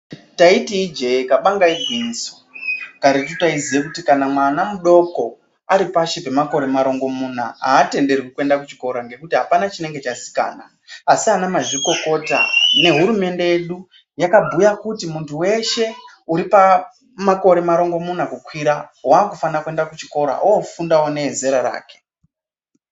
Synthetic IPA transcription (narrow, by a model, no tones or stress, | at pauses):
taitiid͡ʒe̞ekaɓaŋɡaibʱiso̥kaɾet̬utaiziekutikanamwanamuɗo̞ko̞ | aɾipaʃepe̞mako̞ɾe̞maɾo̞ŋɡo̞muna̰aːte̞nde̞rikukue̞ndak̬ut͡ʃiko̞ɾaŋɡe̞kutiɦapanat͡ʃine̞ŋɡe̞t͡ʃasi̥ka̰ːnaː | sianamaʐiko̞ko̞ta̰ne̞ɦuɾume̞nde̞jeɗu | jakabʱujakutimuntʰuwe̞ʃe̞ | uɾipa | mako̞ɾe̞maɾo̞ŋɡo̞munakukwiɾawaːkufanakue̞ndakut͡ʃiko̞ɾa̰ʔoofundawone̞ɦeze̞ɾaɾa̰ːke̥